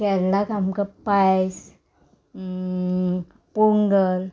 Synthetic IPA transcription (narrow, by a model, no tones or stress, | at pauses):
kɛlːakamkapajs | puŋɡəl